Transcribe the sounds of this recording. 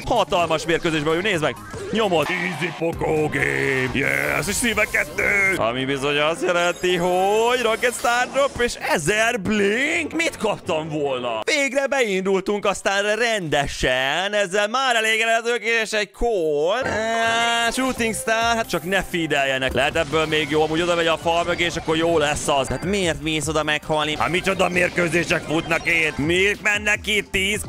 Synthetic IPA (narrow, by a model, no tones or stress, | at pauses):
hɒt̪ɒlmɒʃmeːrkøzeːʒbɛvjuneːzmɛɡ | ɲo̞mot̪izipokoɡeːmjɛ̰sosiːvɛkɛt̪ːøːɒ̰mibizo̞ɲɒst̪jɛlɛnt̪iɦoɟrokɛt̪st̪aːrd̪opːeːʃɛzɛrbliŋkmit̪kɒpt̪ɒɱvoːlnɒ̰veːɡrɛbɛind̪ult̪uŋkɒst̪aːnrɛrɛnd̪ɛʃɛnɛzːɛlmaːɾɛleːɡɛlɛt̪øːkeeʃɛɟkʰolaʃuːt̪iŋkst̪aːrhat̪̚t͡ʃɒknɛfid̪ɛljːɛnɛklɛɦɛt̪ɛbːøːlmeːɡjoːɒmuːɟo̞d̪ɒvɛɟɒfɒɾmøɡeːʃɒkːo̞ɾjoːlɛsːɒzɦaːt̪meːrt̪miːso̞d̪ɒmɛkhɒlniha̰mit͡ʃod̪ɒmeːrkøːzeːʃɛkfut̪nɒkeːt̪meːt̪mɛnːɛkːit̪ːiːz